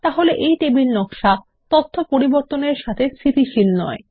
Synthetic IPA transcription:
t̪aɦoleʔejt̪ebilnɔkʃa | t̪ot̪ʰːopoɾiboɾt̪oneɾʃat̪ʰest̪ʰit̪iʃilnɔe

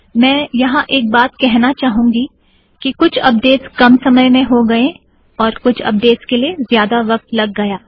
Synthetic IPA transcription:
mɛ̃ːjɐɦãʔeːk̚baːt̪kɛɦnat͡ʃaːɦũːŋɡi | kikʊt͡ʃʰɐ̰p̚d̪eːtskɐmsɐməjmẽɦoɡɐẽ | ɔːɾkʊt͡ʃʰɐ̰p̚d̪eːʈskeliezjaːd̪aʋɐk̚t̪lɐɡːɐjaː

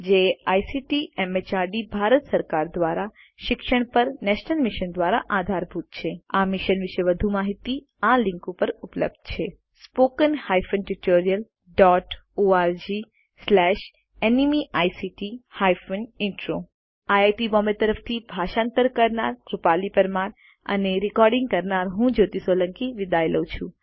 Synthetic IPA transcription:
d͡ʒeajsiʈiʔɛmet͡ʃaɾɖibʱaɾət̪səɾkaɾd̪ʋaɾa | ʃɪkʃəɳ̃pəɾnɛʃnəlmɪʃənd̪ʋaɾa̰ʔad̪ʱaɾbʱut̪t͡ʃʰeamɪʃənʋɪʃeʋəd̪ʱumaɦit̪i | alɪ̃ŋkupəɾuplə̰b̚d̪̥t͡ʃʰe | spokənhajfʰənʈuʈoɾijəl | ɖɔʈoaɾd͡ʒi | slɛʃ | enimiʔajsiʈihajfənɪnʈɾo | ajajʈibɔmet̪əɾəft̪ʰibʱaʃãnt̪əɾkəɾnaɾkɾupalipəɾmaɾ | ə̰neɾɪkɔɾɖɪ̃ŋɡ̚kəɾnaɾɦũd͡ʒot̪isoləŋkiʋid̪ajləwt͡ʃʰũ

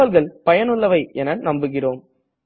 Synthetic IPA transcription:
ɐlɣɐɭpɐjɐnɯɭːɐʋɐɪʔɛnɐnɐmbɯɣɪroːm

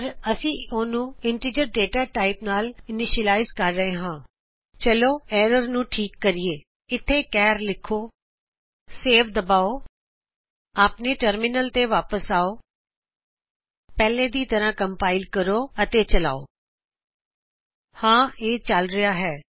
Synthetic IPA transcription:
ɾəsĩːoːnũːɪɳʈɪd͡ʒəɾɖeːʈaːʈaːɪpnaːlɪnɪʃəlaːɪzkəɾːəɦẽːɦãː | t͡ʃəloːɛːɾəɾnũːʈʰiːkːəɾiːeː | ɪt̪ʰːeːkɛːɾlɪkʰːoː | seːfʰd̪əbaːoː | aːpneːʈəɾmɪnəlt̪eːʋaːpəsaːoː | pɛːleːd̪iːt̪əɾãːkəmpaːɪlkəɾoːət̪eːt͡ʃəla̰ːoː | hãːeːt͡ʃəlɾəjaːɦɛː

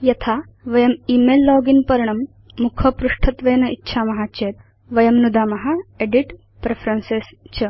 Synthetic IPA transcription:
jɐt̪ʰaː | ʋɐjɐmiːmeːlːɔːɡinpɐɾɐɳ̃ɐmː | ukʰɐpɾuʂʈʰɐt̪ʋɐjnɐitːʃʰaːmɐɦaːt͡ʃeːt̪ | ʋɐjɐmnud̪aːmɐɦɐeɖiʈ | pɾepʰɾɐnsest͡ʃɐ

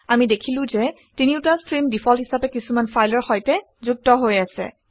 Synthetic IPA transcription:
amidekʰilʊ̃zɛ | tiniʊtastɹimdipʰɔlɦisapɛkisumanpʰajlɔɹxɔjtɛ | zuk̚tɔɦojasɛ̰

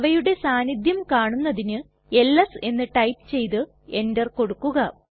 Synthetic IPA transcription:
ʋɐjuɽe̞saːnid̪ʱjɐmkaːɳunːɐðinɨ | e̞lːɐse̞nːɨʈɐjpt͡ɕe̞jt̪ɨ | e̞ndɐrko̞ɽukːuɣɐ

